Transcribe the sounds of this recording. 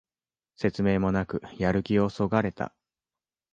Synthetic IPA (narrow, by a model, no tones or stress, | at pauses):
se̞t͡sɨme̞ːmo̞nakɯ̟jaɾɯ̟kʲio̞so̞ɡaɾe̞t̪a̰